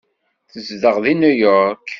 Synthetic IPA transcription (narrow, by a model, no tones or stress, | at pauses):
θəzd̪əʁðinujɔɾk